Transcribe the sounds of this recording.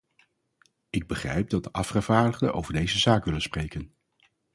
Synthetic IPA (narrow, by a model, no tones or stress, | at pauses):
ɪɡ̚bəχrɛ̰jp̚dɑt̚dəʔɑfχəv̥aːɹdəχdə̰ʔo̰wvəɹdejzəzaːkʋɪlənsprejkən